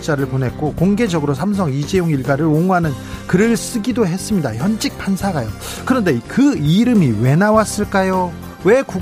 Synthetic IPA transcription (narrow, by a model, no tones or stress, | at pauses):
t͡ɕ͈aɾɯɭponɦe̞t̚k͈okoŋɡe̞d͡ʑʌɡɯɾos̬ʰams̬ʰʌŋid͡ʑe̞joŋiɭɡaɾɯɾoŋuɦanɯnkɯɾɯɭs͈ɯɡidoɦe̞s͈ɯmɲidaçjʌnd͡ʑik̚pʰansʰaɡajo | kɯɾʌnde̞kɯiɾɯmiwe̞nawas͈ɯɭk͈ajo | we̞ku